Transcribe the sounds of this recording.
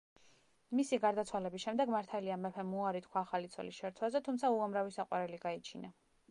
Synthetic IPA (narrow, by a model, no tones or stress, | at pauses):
misiɡaɾd̪at̪sʰwalɛbisʃɛmd̪ɛɡmaɾt̪ʰaliamɛpʰɛmuaɾit̪ʰkʰwaːχalit̪sʰɔ̰lḭsʃɛɾt̪sʰwazɛt̪ʰumtsʰauamɾavisaqʼwaɾɛliɡait͡ʃʰina